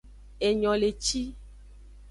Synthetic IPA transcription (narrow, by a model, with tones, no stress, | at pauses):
e˨ɲɔ̃˨le˨t͡ʃi˦